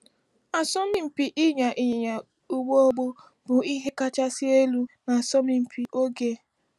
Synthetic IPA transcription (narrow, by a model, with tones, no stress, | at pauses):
a˨sɔ˦mi˦m̩˨pi˨ʔɪ˦ɲa˨ʔi˨ɲɪ˨ɲa˨ | u˦ɡ͡bo˦o˦ɡ͡bo˦ | bʊ˨i˦ɦe˦ka˦t͡ʃa˦si˦e˦lu˦na˨a˨sɔ˦mi˨m̩˨pi˨ʔo˦ɡe˦